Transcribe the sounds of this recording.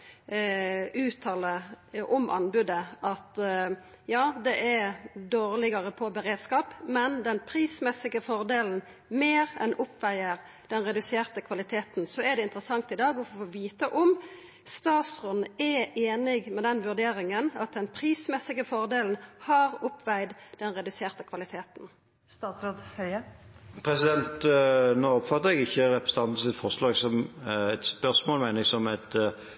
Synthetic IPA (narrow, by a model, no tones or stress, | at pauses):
ʉːt̪ʰɑːləʔɔmʔɑ̰nbʉd̪əɑt̪ | jɑːd̪ɛʔɛd̪oːʁlɪɡɑʁəpʰɔbəɾeːd̪skɑːpmɛnd̪ɛnpʰɾiːsmɛsɪɡəfɔʁd̪eːln̩ | meːʁɛ̰nʔʊpːʋæɪəʁ | d̪̥ɛnɾɛd̪ʉseːʁt̪əkʰʋɑlɪt̪ʰeːt̪n̩sɔæɖ̪ɛɪnt̪əɾəsɑŋt̪ɪd̪ɑːɡɔfoʋiːt̪əʔɔm | st̪ɑːt̪sʁɔd̪n̩ɛʔeːnɪɡmɛd̪ɛnʋʉʁd̪eːɾɪŋənɑt̪̚d̪ɛnpʰʁiːsmɛsːɪɡəfɔʁd̪eːln̩hɑʁʊpːʋæɪd̪d̪̥ɛnʁɛd̪ʉseːʁt̪əkʰʋɑlɪt̪ʰeːt̪n̩ | st̪ɑːt̪sɾoːd̪hœʏəpʰʁɛsɪd̪ɛnt̪noːɔpfɑt̪ːəʁɛɡɪçːəʁɛpɾə̥st̪ɑnt̪sɪt̪fɔʁslɑːɛɡsɔmɛt̪spœʁsmoːlmæɪnəɛɡsɔmæt̪